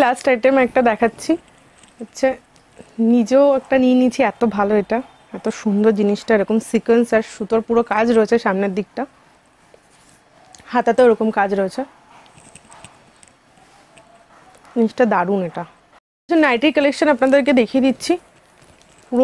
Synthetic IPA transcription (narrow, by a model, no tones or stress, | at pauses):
lasʈajʈemɔɛk̚ʈad̪ɛkʰatːɕʰi | atːɕʰe | nid͡ʑeoɛkʈaninit͡ɕʰiɛt̪obʱaloeʈa | ɛt̪oʃund̪ʱoɾd͡ʑiniʃʈaeɾoɔkomsikwensaɾʃut̪oɾpuɾokad͡ʑɾoet͡ɕʰeʃamned̪ik̚ʈa | hat̪at̪eeɾokomkad͡ʑɾoet͡ɕʰe | d͡ʑiniʃʈad̪aɾuneʈa | t͡ɕʰenajʈiɾkolekʃonapnad̪eɾk̬ed̪ekʰied̪itːɕʰi | puɾo